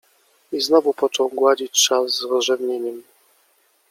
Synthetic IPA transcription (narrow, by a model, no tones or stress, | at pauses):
iznɔvupɔt͡ʂɔwɡwad͡ʑit͡ɕt͡ʂaszːɾɔzʐɛvɲeɲɛm